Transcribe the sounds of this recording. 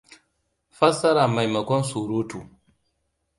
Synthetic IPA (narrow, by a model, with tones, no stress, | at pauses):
fɐ˦sɐ˦ɾa˨ma˨jmɐ˨kʷɔ˦nsuː˨ɾoː˦tu˨